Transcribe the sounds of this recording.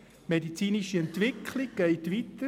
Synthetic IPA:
medit͡siːniʃiɛntʋɪkʰlɪɡɡ̥ɛɪt̪ʋitə

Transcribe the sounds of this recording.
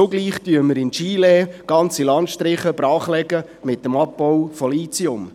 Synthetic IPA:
oɡliːχtyəməɾɪnt͡ʃiːleːɡ̥ɑnt͡silɑntʃtɾɪχəb̥ɾɑːχlɛɡə | mɪt̚ːəmɑp̚bɔwfɔliːt͡siʊm

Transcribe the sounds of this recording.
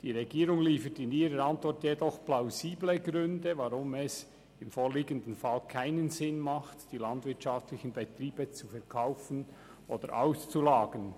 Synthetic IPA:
d̥iːʁɛɡiːɾʊŋliːfətɪniːɾəɾɑntvɔɹtjedɔχplaʊziːbləɡɾʏndəvɑʁʊmɛs | ɪmfoːliːɡəndən̩fɑlkʰaɪnənzɪnmɑχtd̥iːlɑndvɪtʃɑftlɪçənbɛtɾiːb̥ət͡sufɛɐkʰaʊfən̩ʔoːd̥əɾʔa̰ʊst͡sulaːɡ̥ən

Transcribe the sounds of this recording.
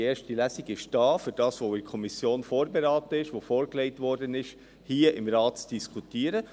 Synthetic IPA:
eːʃtilæsiɡɪʃd̥ɑːfyɾd̥ɑːsʋoːɪkʰɔmisjoːnfoːɾbeɾɑːtəɪʃʋofoːɾkleɪtʋɔɾdənɪʃ | hiːəʔɪmɾɑːtt͡sd̥iskʰutiːəɾə

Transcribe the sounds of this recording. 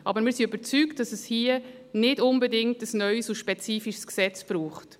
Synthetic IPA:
ʔɑbəɾmɪːɾsiøbəɾt͡syktd̥ɑsɛshiə | nɪdʊnbɛdɪŋ̚təsnœʏsuʃpɛt͡siːfiʃsksɛt͡sb̥ɾuːχt

